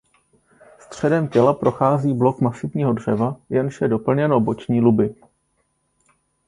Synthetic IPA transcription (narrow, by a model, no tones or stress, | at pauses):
st̪r̝̥ɛdɛmcɛlapɾʔo̞xaːziːblo̞kmasɪvɲiːɦo̞dr̝̥ɛvajɛnʃɛdo̞pl̩ɲɛnobo̞t͡ʃɲiːlubɪ